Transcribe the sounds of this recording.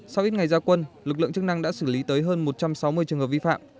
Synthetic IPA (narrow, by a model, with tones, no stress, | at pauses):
sa˧wʔi˦˥t̚ŋa˨˩jzaː˧kwə˧nlɨ˨˩k̬̚lɨ̰˧˨ŋt͡ɕɨ˦˥k̚na˧ŋɗa̰ː˧˥sɨː˧˩li˨˦t̪əː˨˦jɦəː˧nmo˨˩t̚t͡ɕa˧msa˨˦wmɨ˧əjt͡ɕɨ˨˩əŋhə˨˩vi˧fa̰ː˧˨m